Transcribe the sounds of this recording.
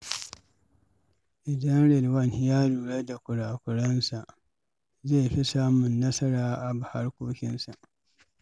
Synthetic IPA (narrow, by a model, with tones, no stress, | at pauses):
ʔɪ˨dɐ˦nɽɪ˨lwɐ˦˨nhɪ˦jaː˦ɾuː˨ɽe˦da˨kʷʊ˨ɽaː˨kʷʊ˨ɽɐ˦nsa˨ʔ | ze˦˨ɸi˦saː˦mʊ˨nːɐ˦sɐ˦ɾaː˨ʔa˨ba˨ha˦ɽkʷoː˦kʲɪ˦nsa˨ʔ